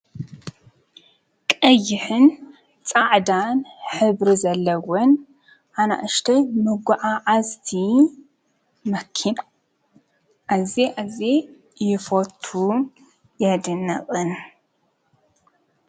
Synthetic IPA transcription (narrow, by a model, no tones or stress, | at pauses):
kʼɐjːɪħɨn | t͡sʼaʕd̪anħɨβɾizɐlːɐwɔn | ʔana̰ʔɨʃt̪ʰɐmɨɡʷaʕaʕazt̪ʰi | mɐkʰːin | ʔazeʔaze | jɪfot̪ʰːu | jɛd̪ɨnːɐ̰χʼɨn